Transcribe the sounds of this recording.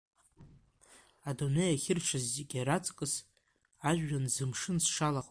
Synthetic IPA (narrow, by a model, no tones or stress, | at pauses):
adunejaχʲɪrʈ͡ʂʰazːeɡʲaɾat͡sʼkʼɨs | aʒᶣːanzɨmʂɨnsʂalaqʼ